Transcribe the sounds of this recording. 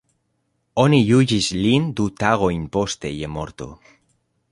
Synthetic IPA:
onijuʝizlind̪ut̪aɣoimpost̪ejemo̰ɾt̪o̰

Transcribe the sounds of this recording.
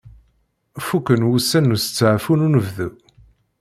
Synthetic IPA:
fukːənwusænːusə̥t͡sːʕfununəvðu

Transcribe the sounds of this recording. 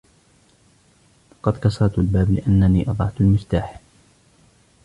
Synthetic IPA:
fɑqɑd̪kɑsˤɑɾˤt̪albaːblɪ̰ʔanːaniːʔɑd̪ˤɑʕt̪almɪft̪aːħ

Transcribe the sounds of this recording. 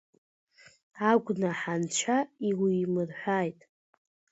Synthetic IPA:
aɡʷʼnaħant͡ʃʷʰaiwiːmɨrħʷᶣaːjtʼ

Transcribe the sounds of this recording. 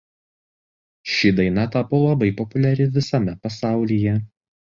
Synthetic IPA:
ʃʲid̪ɐɪnɐt̪ɑːpolˠɐbɐɪpɔpʊlʲæɾʲɪʋʲɪsɐmʲɛpɐsɑˑʊlʲiːjɛ

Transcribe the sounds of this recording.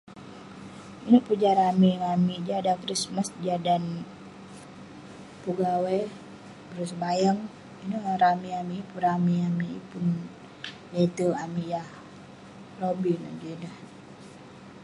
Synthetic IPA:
inoʔpəd͡ʒaɾamimamiʔd͡ʒadakɾismasd͡ʒadan | puɡawɛ | bəɾus̬bajəŋ | inoʔɾamiamiːpuɾamiamiḭpun | let̪əamijah | robino̰ʔd͡ʒenah

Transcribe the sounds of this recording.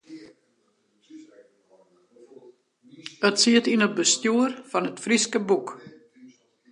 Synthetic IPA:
ətsiətinəbəstjuərfɔnətfriskəbuk

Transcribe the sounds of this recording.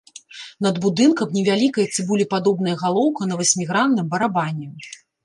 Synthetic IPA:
nɐd̪bud̪ɨnkɐmnʲɛvʲalʲikɐjɐt͡s̪sʲɨbulʲipad̪ɔbnɐjɐɣalˠɔwkɐnɐvɐsʲmʲiɣɾanːɨmbɐɾabanʲːɛ

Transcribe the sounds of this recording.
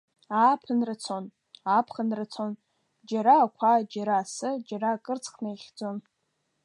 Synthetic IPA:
aːpʰɨnrɨt͡sʰon | apʰχanrɨt͡sʰon | d͡ʒaɾaːkʷʰad͡ʒaɾaːsɨd͡ʒaɾaːkʼɨrt͡sʰʼχnajχʲd͡zo̞n

